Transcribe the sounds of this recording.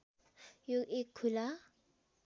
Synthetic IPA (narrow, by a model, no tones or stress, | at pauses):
joʔekʰula